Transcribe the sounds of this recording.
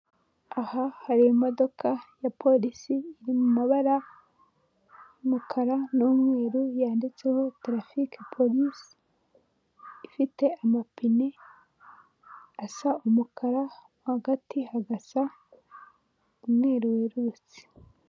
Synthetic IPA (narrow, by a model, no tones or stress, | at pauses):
ahahaɾijomo̞do̞kʰajapʰo̞lisiːɾimumaβaɾa | jumukʰaɾanomŋeːɾujaːndit͡sehotɾafikpʰo̞lisi̥ | fite̞amapine | asaumukʰaɾamohaɡatihaɡasa | umweːɾuweɾut͡si̥